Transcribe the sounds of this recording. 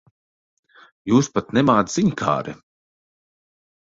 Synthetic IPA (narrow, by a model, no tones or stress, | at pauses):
juːspat̪nɛmaːd̪ziɲkʰa̰ːɾɛ̰